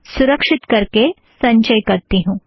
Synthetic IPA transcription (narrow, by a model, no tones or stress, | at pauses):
suɾəkʂit̪kəɾke | sə̃ɲt͡ɕəjkəɾt̪iɦũ